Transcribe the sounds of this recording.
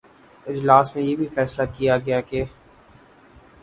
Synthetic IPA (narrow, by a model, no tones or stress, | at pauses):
ɪd͡ʒlaːsmẽjebʱifɛːslakijaɡɐjakeː